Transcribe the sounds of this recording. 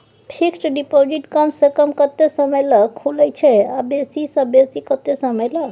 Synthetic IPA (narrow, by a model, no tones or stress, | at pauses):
pʰikʈɖipod͡ʒiʈkəmsə̃kəmkət̪ːesəməjləkʰuləjt͡ʃʰɛabesisə̃besikət̪ːesəməjlə